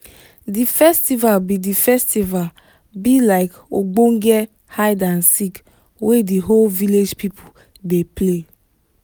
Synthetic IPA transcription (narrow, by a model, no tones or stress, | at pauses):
difɛstivalbidifɛstival | bilaɪkoɡ͡bõŋɡɛ | haɪdãnsik | wediɦolviled͡ʒpipʰo | deple